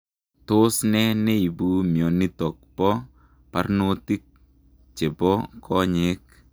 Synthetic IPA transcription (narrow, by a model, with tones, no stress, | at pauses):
to˦snɛ˦ne˦i˨bu˦mjɔ˨ni˦tɔ˨k̚pɔ˦ | pa˦rno˦ti˦k̚ | t͡ʃe˨bɔ˦kʰɔ˦ɲe˨˦k̚